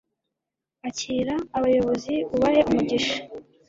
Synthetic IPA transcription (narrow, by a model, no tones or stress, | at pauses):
aciːɾaːβajo̞βo̞ziβuβaɾeʔumuɟiʃḁ